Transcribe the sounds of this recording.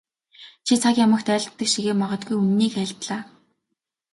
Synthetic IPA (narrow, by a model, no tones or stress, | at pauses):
t͡ɕʰit͡sʰakʲjamə̆xt̪œːɮʲt̪ːə̆kʃiɣeːmɔʁɞ̆t̪̚ɡujunːiːkæːɮt̪ɮaː